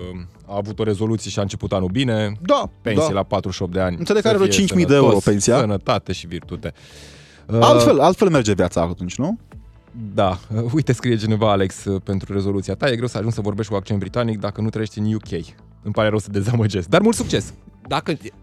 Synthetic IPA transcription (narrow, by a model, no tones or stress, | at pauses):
ə | aːvut̪o̞ɾe̞zo̞lut̪sie̞ʃiaɨnt͡ʃe̞put̪anubine̞d̪ape̞nsijelapat̪ɾuʃop̪̚d̪e̞anʲned̪ekaɾevot͡ʃint͡ʃmid̪eeuɾopensiasənət̪at̪e̞ʃivirt̪ut̪e̞ | əalt̪felalt̪fe̞lmerd͡ʒe̞vjat̪sa̰t̪unt͡ʃʲnu | d̪aəujt̪e̞skɾijet͡ʃine̞vaale̞ksəpe̞nt̪ɾuɾe̞zo̞lut̪siat̪aje̞ɡɾe̞wsəaʒunsəvo̞rbe̞ʃt̪kuak̚t͡ʃiebɾit̪anik̚d̪akənut̪ɾəjeʃt̪ʲiɨnjukʰʲe̞j | ɨmpaɾe̞ɾəwsəd̪e̞zaməd͡ʒe̞sk̚d̪armult̪suk̚t͡ʃe̞sd̪akə